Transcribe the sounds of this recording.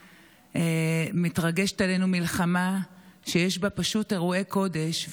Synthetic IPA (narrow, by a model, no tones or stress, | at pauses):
emitʁaɡe̞ʃetale̞numilχamaʃejeʃbapaʃute̞ʁue̞ko̞de̞ʃ